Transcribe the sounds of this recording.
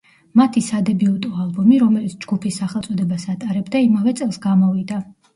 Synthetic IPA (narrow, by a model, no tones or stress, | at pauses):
mat̪ʰisad̪ɛbiɔt̪ʼɔalˠbɔmiɾɔmɛlit̪sʰd͡ʒɡupʰisːaχɛlˠt̪sʼɔd̪ɛbasat̪ʼaɾɛbd̪aimavɛt̪sʼɛlˠsɡamɔvid̪a